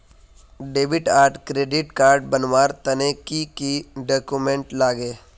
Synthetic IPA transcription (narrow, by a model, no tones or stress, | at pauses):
ɖeːbɪʈaːɾʈkɾeːɖɪʈkaːɾɖ̚bɐnʋaːɾt̪ɐnekikiɖoːkumẽɳʈlaːɡeː